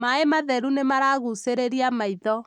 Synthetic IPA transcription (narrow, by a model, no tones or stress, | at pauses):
maemaðɛɾunemaɾaɣuseɾeɾiamaiðɔ